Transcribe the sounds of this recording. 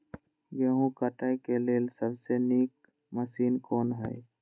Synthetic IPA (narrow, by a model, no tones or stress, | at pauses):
jəɦũkəʈaekeleːlsəbseniːk̚ | məsiːnkɔːnɦɛ̰